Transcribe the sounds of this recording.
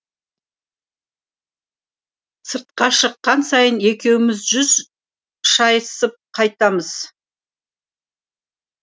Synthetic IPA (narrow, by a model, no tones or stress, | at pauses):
səɾt̪̚qɑʃəqːɑnsɑjəne̞kʲe̞wɪmɪzʒʏz | ʃɑjəsəp̚qʰɑjt̪ɑməz̥